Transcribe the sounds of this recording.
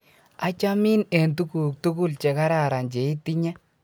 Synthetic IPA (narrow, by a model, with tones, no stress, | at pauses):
a˦t͡ʃa˦mi˦ne˨ntu˦ku˨k̚tu˦ku˦˨lt͡ʃe˨ka˦ɾa˦˨ɾa˨nd͡ʒe˨i˦ti˦ɲɛ˦